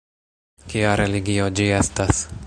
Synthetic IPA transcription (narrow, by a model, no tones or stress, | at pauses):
kiaɾeliɡiod͡ʒiestas